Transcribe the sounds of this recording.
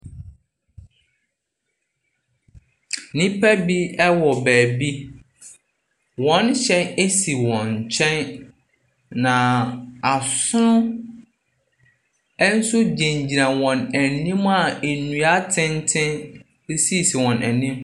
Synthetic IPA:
nĩ˦pʰæ˦bi˦ɛ˦wɔ˨bæː˨bi˦ | wɔ̃˨˦nɕɛ̃˦ne˦si˨wɔ̃˨nt͡ɕʰɛ̃˦n | nã˨a˨sʊ˦nʊ̃˦ | ɛ˦n̩˦sʊ˦d͡ʑẽ˨ɲd͡ʑi˨ɾã˨wɔ̃˨næ˨nĩ˦ma˨e˨nũ˨a˦tʰɪ̃˦ntʰɪ̃˦n˦ | si˦˨si˨wɔ̃˨nʔæ̰˨nĩ˦m

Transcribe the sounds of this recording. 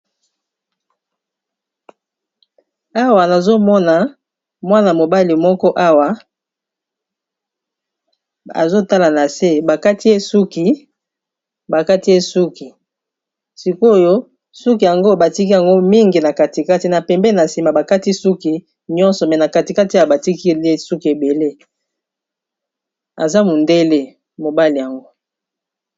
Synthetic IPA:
a˦wa˨na˨zo˦mɔ˦na˨ | mwa˦na˨mo˨ba˦li˨mɔ˦kɔ˦ʔa˦wa˨ | a̰˨zo˦ta˦la˨na˨se˦ba˨ka˦ti˦e˦su˦ki˨ | ba˨ka˦ti˦e˦su˦ki˨ | si˨ko˦˨jo˦ | su˦ki˨ja˨ŋɡo˦˨ba˨ti˦ki˦ja˨ŋɡo˦mi˦ŋɡi˨na˨ka˨ti˨ka˦ti˨na˨pɛ˨mbɛ˦˨na˨si˨ma˨ba˨ka˦ti˦su˦ki˨ | ɲɔ̃˦nsɔ˨mɛ˨na˨ka˨ti˨ka˦ti˦a˨ba˨ti˦ki˦e˦su˦ki˨e˨be˨le˦ | a̰˨za˦mo˨nde˦le˦ | mo˨ba˦li˨ja˨ŋɡo˦

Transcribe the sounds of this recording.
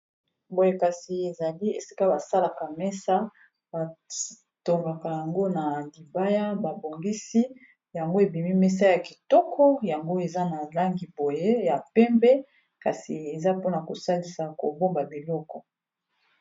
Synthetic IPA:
bo˦je˦ka˨si˨e˨za˨li˦e˨si̥˦ka˦ba˨sa˦la˨ka˨mɛ˦sa˦ | ba˨ | to˨ŋɡa˨ka˨ja˨ŋɡo˦na˨di˨ba˦ja˦ba˨bo˨ŋɡi˦si˦ | ja˨ŋɡo˦e˨bi˨mi˦mɛ˦s̬a˦ja˨ki˨tɔ˦kʰɔ˦ja˨ŋɡo˦e˨za˦na˨la˦ŋɡi˨bo˨je˦ja˨pɛ˦mbɛ˦ | ka˨si˨e˨za˦po˦na˨ko˨sa˦li˨sa˨ko˨bo˦mba˨bi˨lɔ˦kɔ˨

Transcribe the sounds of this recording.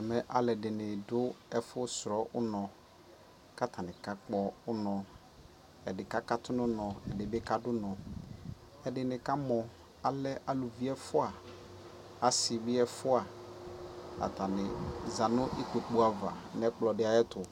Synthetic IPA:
ɛ˨mɛ̃˦ʔa˨lɛ˨dɪ˨nɪ˨dʊ˦ɛ˦fʊ˦sɾɔ˦ʔʊ˦nɔ̃˨ | ka˦tʰa˨nɪ̃˨ka˦k͡pɔ˦ʊ˦nɔ̃˨ | ɛ˨dɪ˨ka˦ka˦tʊ˦nʊ̃˦nɔ̃˨ɛ˨dɪ˨bɪ˦ka˦dʊ˦nɔ̃˨ | ɛ˨dɪ˨nɪ̃˨ka˦mɔ̃˨ | a˨lɛ˦ʔa˨lʊ˨vi˦ɛ˦fʊ˦a˨ | a˨sɪ˨bɪ˦ɛ˦fʊ˦a˨ | a̰˨tʰa˨nɪ˨za˨nʊ̃˦ʔi˦ko˨k͡pu˦a˨va̰˨n˨ɛ˦k͡plɔ˨dɪ˦a˨jɛ˦tʊ˨

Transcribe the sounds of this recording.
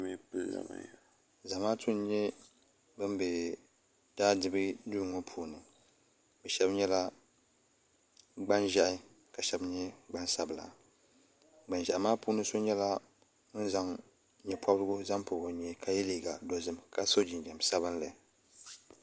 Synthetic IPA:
mi˦pɨ˦lza̰˨ba̰˨ | za˨maː˦tʰu˦n˦ɲɛ˦ | bɨ˦mbɛ˨ | d̥aː˦dɨ˨bɨ˦du˦˨ŋo˦pʰuː˨nɨ˨ | bɛ˨ʃɛ˦bɲɛ˦la˦ | ɡ͡ba˦nʒa˦ʔɪ˦ | ka˨ʃɛ˨bɲɛ˦ɡ͡ba˦nsa˨bla̰˨ | ɡ͡ba˨nʒɛ˨ʔa˨maː˦puː˦nɨ˦so˦ɲɛ˦la˦ | nɨ˦n˦za˨ŋ | ɲɛ˨pʰa˦blɨ˦ɡʊ˦za˦mpʊ˨bo˨ɲɛ˨kʰa˨jɛ˦liː˨ɡa̰˨do˨zɨ˦mka˨so˦d͡ʒɪ˨nd͡ʒɛ˨m˨sa˦βɨ˦n˦lɨ˨

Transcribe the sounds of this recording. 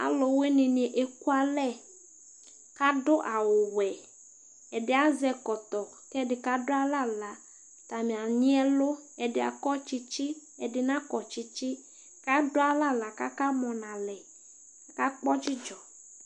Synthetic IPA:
a̰˨lo˨we˦nĩ˨ni˨ʔe˨ku˦a˨lɛ˦˨ | ka˦ɖʊ˦ʔa˨wo˨wɛ˨ | ɛ˨ɖɪ˦a˦zɛ˦kɔ˨t̪ɔ˨ | kɛ˦dɪ˨ka˦dʊ˦a˦la˦˨la˨ | t̪a˨mĩ˨a˨ɲĩ˦ɛ˦lo˦ɛ˨ɖɪ˨a̰˨kɔ˦t͡ʃi˦t͡ʃi˦ɛ˨ɖɪ˨nã˦kɔ˨t͡ʃi˦t͡ʃi˦ | ka˦dʊ˦a˦la˦la˨ka˦ka˦mɔ̃˨nã˨lɛ˨ | ka˦k͡pɔ˦t͡ʃi˦d͡ʒɔ˨

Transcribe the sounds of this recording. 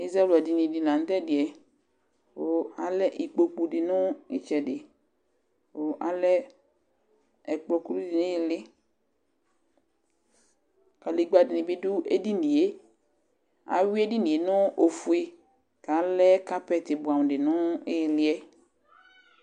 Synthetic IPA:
i˦zɾa˦ɛ˦la˨di˨nĩ˨di˨la˨ŋ̩˦t̪ɛ˦dɪ˨ɛ˨ | wo˦a˨lɛ˦ʔi˨k͡po˨k͡pu˨ɖɪ˨nɔ̃˦ḭ˦t͡ʃɛ˨dɪ˨ | wo˦ʔa˨lɛ˦ | ɛ˨k͡pɔ˨ku˦lu˦di˨nẽ˦ji˨lɪ˦ | ka˨li˨ɡ͡ba˨dɪ˨nĩ˨bɪ˦du˦e˦di˦nĩ˨e˦ | a̰˨wi˦e˦di˦nĩ˨e˨nɔ̃˦o˨fu˦e˨ | ka˨˦lɛ˦ka˦pɛ˦˨t̪ɪ˨bu˨a˨m˨ɖɪ˨nɔ̃˦e˦ji˨lɪ˦ɛ˦

